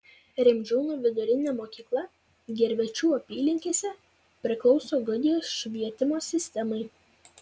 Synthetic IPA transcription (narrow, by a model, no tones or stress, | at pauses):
ɾʲɪmʲd͡ʒʲɛʊnuːʋʲɪd̪ʊɾʲɪnʲɛːmoːkʲiːklˠɐ | ɡʲɛɾʲʋʲɛt͡ʃʲuːɐpʲiːlʲɪŋʲkʲiːsʲɛ | pʲɾʲɪklˠɒʊsoːɡʊd̪ʲɪjoːsʃʲʋʲiɛt̪ʲɪmoːsʲɪsʲt̪ʲɛmɐɪ